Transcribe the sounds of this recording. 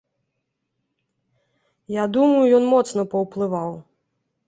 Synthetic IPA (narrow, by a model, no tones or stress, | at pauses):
jad̪umɐjujɔnmɔt̪snɐpɐwplˠɨvaw